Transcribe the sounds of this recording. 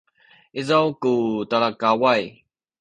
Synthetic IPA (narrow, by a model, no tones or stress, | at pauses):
ʔizawkut̪alakawaj